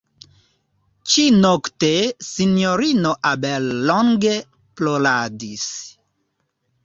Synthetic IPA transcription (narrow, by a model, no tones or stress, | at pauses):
t͡ʃinoktesinjoɾinoʔabelːoŋɡe̞ | ploladis